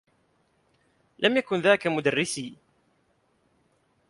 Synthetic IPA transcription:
lʔəmjækʊnðækamʊd̪ərːɪsi

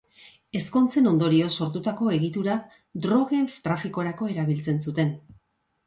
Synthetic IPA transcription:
e̞sko̞nt͡se̞no̞nd̪o̞ɾio̞so̞ɾt̪ut̪ako̞e̞ɣit̪uɾa | d̪ɾo̞ɣe̞ɱft̪ɾafiko̞ɾako̞e̞ɾaβ̞ilt͡se̞nsut̪e̞n

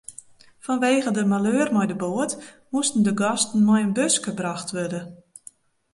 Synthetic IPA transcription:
fɔnʋeːɣədəmaløːrmɔjdəboət | mustən̩dəɡɔstn̩mɔjənbøskəbraxtʋørdə

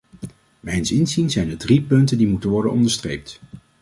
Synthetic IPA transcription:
mɛjənsɪnzinzɛjndəɹdripɵntəndimutənʋɔɹdənɔ̰ndəɹstrejp̚t

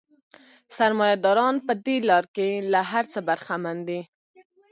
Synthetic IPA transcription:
saɾmɑjad̪ɑɾɑnpəd̪elɑɾkelaɦaɾt͡səbaɾxamand̪i

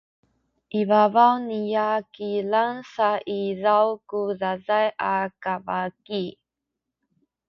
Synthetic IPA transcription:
ʔivavawnijakilansaʔizawkuzazajʔakavaki

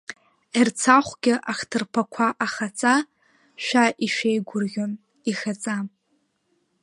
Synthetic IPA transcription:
irt͡sʰaχʷɡʲɪʔaχtʰɨrpʰakʷʰaʔaχat͡sʼa | ʃʷᶣaʔiʃᶣejɡʷʊrɡʲon | ixat͡sʼa

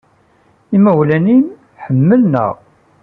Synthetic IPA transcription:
iməwlænim | ħəmːəlnə̰ʁ

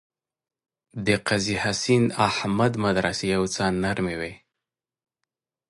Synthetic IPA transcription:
d̪əqazihasinahmad̪mad̪ɾasejawt͡sɑnaɾmewe

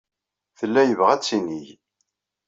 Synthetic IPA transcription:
θəlːæjəvʁæt͡sːinij

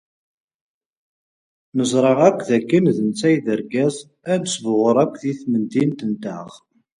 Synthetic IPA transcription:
nəzˤɾˤəʁækʷːðækːənðənt͡sːæjðəɾɡæz | ænsvʁəɾˤækʷːðiθmənd̪int̪ənt̪əʁ

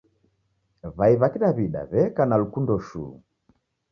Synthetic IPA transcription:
βaiβakiɗaβiɗa̰βɛkanalukundɔʃṵː

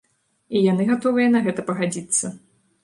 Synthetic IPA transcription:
ijan̪ɨɣat̪ɔvɨjɛn̪ɐɣɛt̪ɐpɐɣad͡zʲit̪sːɐ

